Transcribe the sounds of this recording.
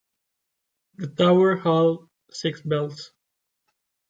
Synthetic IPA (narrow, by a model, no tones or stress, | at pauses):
ðətaʊə˞hɔlˠ | sɪksbɛlˠs